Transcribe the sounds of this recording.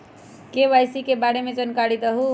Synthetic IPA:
keʋajsikebaɽemed͡ʒənkaɽid̪əɦu

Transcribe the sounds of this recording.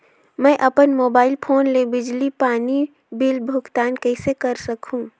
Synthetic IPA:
mə̃ʔəpənmoːbaːɪlpʰoːnlebɪd͡ʒlipaːni | bɪlbʱʊɡt̪aːnkəɪsekəɾsəkʰũ

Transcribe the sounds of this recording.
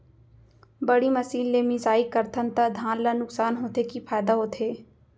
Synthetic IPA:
bɐɽimɐsiːlːeːmizaːikɐɾt̪ʰənt̪ɐd̪ʱãːnlanʊksaːnɦoːt̪ekipʰaːjd̪aɦoːt̪ʰeː

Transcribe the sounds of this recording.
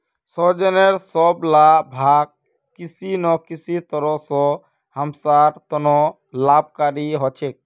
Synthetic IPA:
sɔd͡ʒɔneɾsɔblabʱaɡ̚ | kisinɔkisit̪ɔɾɔsɔ | həmsaɾt̪ɔnɔ | lab̚kaɾiɦɔt͡ʃʰek̚

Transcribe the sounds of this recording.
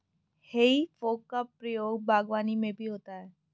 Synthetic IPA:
heifokapːɾijoɡbʱaɡʋanimebiɦot̪ae

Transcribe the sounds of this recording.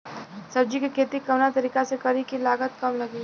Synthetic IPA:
sɐɾd͡ʒikikʰeːt̪ikɐʋnat̪ɐɾiːkasekɐɾikilaːɡət̪kɐmlɐɡiː

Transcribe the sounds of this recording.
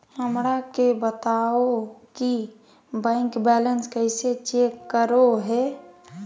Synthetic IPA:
həmɾakebət̪aoki | bɛ̃ːŋkbɛːlənskəɪset͡ʃeːkːəɾoɦɛː

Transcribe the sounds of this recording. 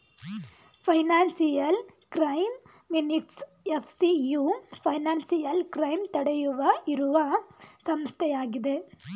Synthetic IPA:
pʰɐjnaːnsijɐlkɾɐjmː | iniʈs | epʰsijupʰɐjnaːnsijɐlkɾɐjmt̪ɐɽejuʋɐiɾuʋɐsɐmst̪ʰɛjaːɡid̪e̞

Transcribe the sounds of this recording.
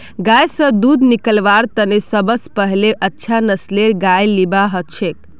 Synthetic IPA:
ɡajsə̃d̪ud̪nikəlʋaɾt̪ənesəbəspəɦleʔətːʃʰanəsleɾɡajlibaɦət͡ʃʰek̚

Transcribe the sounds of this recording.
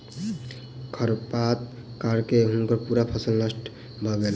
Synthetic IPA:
kʰʌɾpat̪̚ | kaɾkeɦuŋkəɾpuɾapʰɔsəlnəsʈ | bʱɔɡel

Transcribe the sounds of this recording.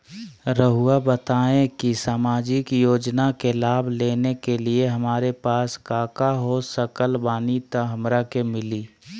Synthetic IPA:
ɾəɦuabət̪aːẽkisaːmaːd͡ʒɪkjoːd͡ʒnakelaːbʱleːnekelieɦɐmaːɾepaːskaːkaɦosəkəlbaːnit̪əɦɐmɾakemɪliː

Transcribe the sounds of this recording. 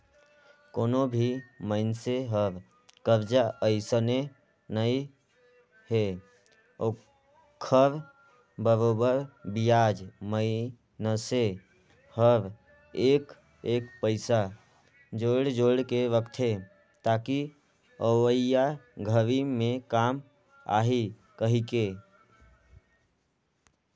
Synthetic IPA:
koːnobʱiməɪnseɦəɾ | kəɾd͡ʒaʔəɪsəne | nəi | he | o | kʰəɾ | bəɾoːbəɾbijaːd͡ʒməɪ | nəse | həɾ | eːk | eːkpəɪsa | d͡ʒoːɽd͡ʒoːɽkeʋəkt̪ʰɦe | t̪aːki | əwəɪjaɡʱəʋimẽkaːm | a̰ːɦi | kəɦike

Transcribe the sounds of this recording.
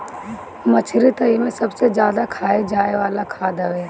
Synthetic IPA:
mɐt͡ʃʰɾit̪ɐimẽsɐbsed͡ʒjaːd̪akʰaːed͡ʒaːeʋaːlakʰaːd̪əʋeː

